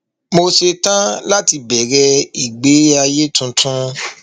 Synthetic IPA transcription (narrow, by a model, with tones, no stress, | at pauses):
mo˧se˧tã˦la˦ti˧bɛ˨ɾɛ˧i˨ɡ͡be˨˦a˧je˦tũ˧tʰũ˦